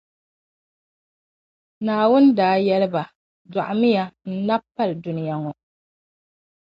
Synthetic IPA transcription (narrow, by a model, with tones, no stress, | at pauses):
naː˨wʊ˦n˦daː˨˦jɛ˦lɨ˦ba˨ | za˨ʔmɪ˦ja˨n̩˦na˦pːa˦ldʊ˦nɪ˦ja˨ŋɔ˨